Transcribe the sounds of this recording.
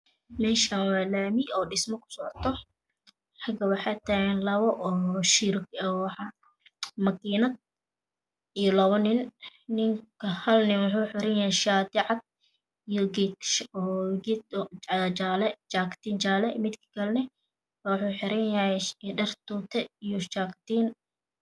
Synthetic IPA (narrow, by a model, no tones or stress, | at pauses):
mɛːʃanwɑːlaːmiɔːɖɪsmɔkʰʊ̥sɔʕɔt̪ʰɔ | ħɑɡɐwɑħɑt̪ʰaɛnlɐβɔʔɔːʃiɾkɔwɑħɑ | mɐkiːnɐd̪̚ | ijɔlɐβɔnɪnnɪŋkʰɐhɐlnɪwʊħuːħɪɾɛnjɐhɛʃaːd̪ɪʕɑd̪̚ | ijɔɡit̪ʃɔːɡit̪t͡ʃalɛt͡ʃaːkt̪iːnt͡ʃaːlɛmɪd̪kʰɪ̥kʰɐlnɪ | wɑħuːħɪɾɛnjɐhɛɖɐrt̪uːt̪ʰɛijɔt͡ʃaːkt̪iːn